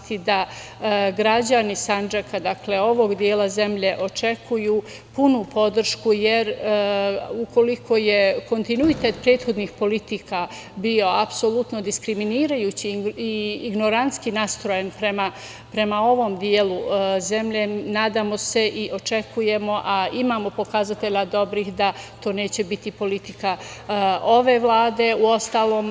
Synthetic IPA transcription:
t̪id̪a | ɡɾad͡ʑanisand͡ʒakad̪akle̞o̞ʋo̞ɡd̪jeːlaze̞mʎe̞ʔo̞t͡ʃe̞kʰujuː | punupʰo̞d̪r̩ʃkujeɾ | uko̞likʰo̞je̞ko̞nt̪inuit̪et̪pɾe̞ːd̪xo̞d̪nixpo̞lit̪ika | bio̞apsolut̪nod̪iskɾiminiːɾajuːt͡ɕiiːɡno̞ɾant̪skinast̪ɾo̞jenpɾema | pɾe̞mao̞ʋo̞md̪jeːluze̞mʎe̞naːd̪aːmo̞se̞ʔiʔo̞t͡ʃe̞kuje̞mo̞ʔaimaːmo̞po̞kazat̪e̞ʎad̪o̞bɾiːxd̪at̪o̞ːne̞ːt͡ɕe̞bit̪ipo̞lit̪ika | o̞ʋe̞ʋlˠaːd̪e̞uo̞st̪aːlo̞ːm

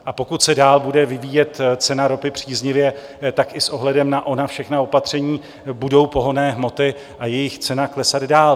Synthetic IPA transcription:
ʔapo̞kut̪sɛdaːlbudɛvɪviːjɛt̪t͡sɛnaɾo̞pɪpr̝̥iːzɲɪvjɛ | t̪akʔɪsʔo̞ɦlɛdɛmnaʔo̞nafʃɛxnao̞pat̪r̝̥ɛɲiː | budo̞wpo̞ɦo̞nɛːɦmo̞t̪ɪ | ʔajɛjɪxt͡sɛnaklɛsad̪daːl

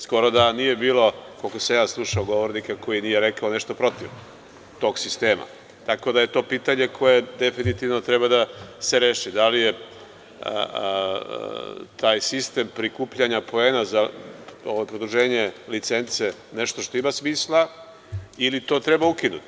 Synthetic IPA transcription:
sko̞ɾo̞d̪anije̞biːlo̞ko̞lkosajaːnslˠuʃaoɡo̞ʋo̞ɾnikako̞jinije̞ɾe̞kaoneʃt̪o̞pɾo̞t̪iʋ | t̪o̞ɡsist̪e̞ːma̰ | t̪ako̞d̪aje̞t̪o̞ːpiːt̪aɲe̞kʰo̞je̞d̪e̞finit̪iʋno̞t̪ɾebad̪aseɾeːʃid̪alije̞̰ | t̪ʰaːjsist̪e̞mpɾikuːpʎaɲapo̞eːnazaoʋajpɾod̪ɾuʒe̞ːɲe̞lit̪se̞nt̪seneʃt̪o̞ʃt̪o̞imasmiːslˠa | ilit̪o̞ːt̪ɾe̞baukinut̪

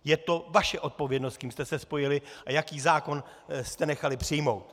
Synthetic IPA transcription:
jɛt̪o̞vaʃɛʔo̞t̪̚po̞vjɛdnost̪̚kiːmst̪ɛsɛspo̞jɪlɪʔajakiːzaːko̞n | st̪ɛnɛxalɪpr̥ɪjmo̞wt̪

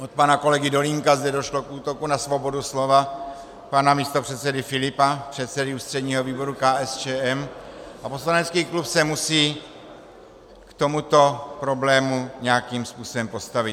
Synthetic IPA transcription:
ʔot̪̚panako̞lɛɡɪdo̞liŋkazdɛdo̞ʃlo̞kʔuːt̪o̞kunasvo̞bo̞duslo̞va | panamiːst̪o̞pr̝̥ɛt̪sɛdɪfɪlɪpapr̝̥ɛt̪sɛdɪuːst̪r̥ɛdɲiːɦo̞viːbo̞ɾukaːʔɛst͡ʃɛːʔɛmʔapo̞slanɛt͡skiːklupsɛmusiː | kt̪o̞mut̪o̞pɾo̞blɛːmuɲɛakiːmspuːso̞bɛmpo̞st̪avɪt̪

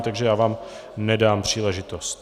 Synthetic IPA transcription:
t̪aɡʒɛjaːvaːm | nɛdaːmpr̝̥iːlɛʒɪt̪ost̪

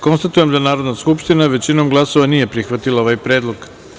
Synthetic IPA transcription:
ko̞nst̪at̪uje̞md̪anaːɾo̞d̪naskupʃt̪inaʋe̞t͡ɕino̞mɡlˠaso̞ʋanije̞pɾixʋat̪ilao̞ʋajpɾeːd̪lˠo̞ɡ

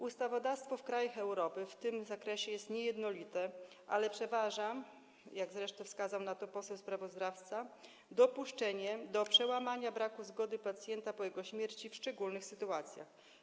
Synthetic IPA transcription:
ust̪avɔd̪afst̪fɔfkɾajaxɛwɾɔpɘft̪ɘmzakɾɛɕɛjɛst̪ɲɛjɛd̪nɔlʲit̪ɛ | ʔa̰lɛpʂɛvaʐa | jaɡzɾɛʂt̪ɔ̃fskazawnat̪ɔpɔsɛwspɾavɔzd̪aft̪sa | d̪ɔpuʂt͡ʂɛɲɛd̪ɔpʂɛwamaɲabɾakuzɡɔd̪ɘpat̪sʲjɛnt̪apɔjɛɡɔɕmʲjɛɾt͡ɕifʂt͡ʂɛɡulnɘxsɘt̪uat̪sʲja̰x

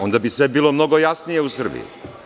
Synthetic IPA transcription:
o̞nd̪abisʋe̞bilˠomno̞ɡo̞jasnije̞usr̩bḭjṵ

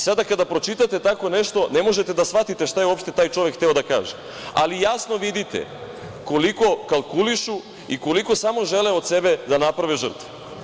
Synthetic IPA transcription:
sad̪akad̪apɾo̞t͡ʃit̪at̪e̞t̪ako̞ne̞ʃt̪o̞ne̞mo̞ʒe̞t̪e̞d̪asʋat̪it̪eʃt̪ajeo̞pʃt̪e̞t̪aːjt͡ʃo̞ʋekxʰt̪eod̪akaːʒe | a̰lijasno̞ʋid̪it̪ḛ | ko̞liko̞kalˠkuliʃu | iko̞liko̞samo̞ʒe̞leod̪se̞bed̪anapɾaʋiʒr̩t̪ʋe

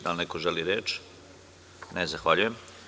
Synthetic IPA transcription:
d̪alnekoʒeliɾeːt͡ʃ | nezaxʋaʎujem

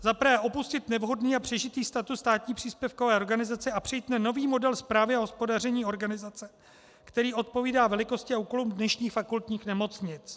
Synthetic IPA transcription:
zapɾvɛːʔopuscɪt̪nɛvɦo̞dniːapr̥ɛʒɪt̪iːst̪at̪usst̪aːt̪ɲiːpr̝̥iːspjɛfko̞vɛːʔoɾɡanɪzat͡sɛapr̝̥ɛjiːt̪nano̞viːmo̞dɛlspɾaːvɪaɦo̞spo̞darɛɲiːo̞ɾɡanɪzat͡sɛ | kt̪ɛɾiːʔo̞t̪̚po̞viːdaːvɛlɪko̞scɪauːko̞lumdnɛʃɲiːxfakult̪ɲiːxnɛmo̞t͡sɲɪt͡s

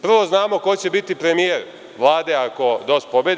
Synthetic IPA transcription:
pr̩ʋo̞znaːmo̞ko̞t͡ɕe̞bit̪ipɾe̞mijeɾ | ʋlˠaːd̪e̞ako̞d̪ost̪̚pobjed̪

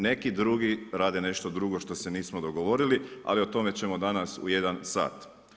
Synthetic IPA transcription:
ne̞kid̪ɾuɡiɾaːd̪ene̞ʃt̪o̞d̪ɾuɡo̞ʃt̪o̞se̞niːsmo̞d̪o̞ɡo̞ʋo̞ɾilia̰lio̞t̪o̞me̞t͡ɕe̞mo̞d̪anasṵje̞d̪ansa̰ːt̪

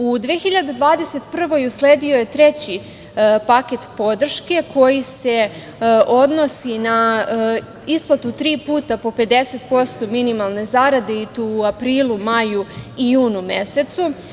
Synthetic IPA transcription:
ud̪ʋexiʎad̪ed̪ʋaːd̪ese̞t̪pr̩ʋojusleːd̪ioje̞t̪ɾet͡ɕi | paket̪po̞d̪r̩ʃke̞kʰo̞jise̞ | o̞d̪nosina | isplˠat̪ut̪ɾiːpuːt̪apo̞pe̞d̪e̞se̞t̪po̞st̪o̞minimalˠne̞zaɾad̪e̞it̪uapɾiːlˠumajuijuːnumese̞t̪su

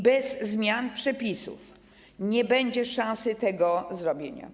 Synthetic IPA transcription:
bɛzːmʲjanpʂɛpʲisṵf | ɲɛbɛɲd͡ʑɛʂãsɘt̪ɛɡɔzɾɔbʲjeɲa̰

